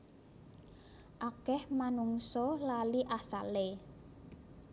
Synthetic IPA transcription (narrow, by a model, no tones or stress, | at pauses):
ʔakɛhmanuŋsɔlaliʔasale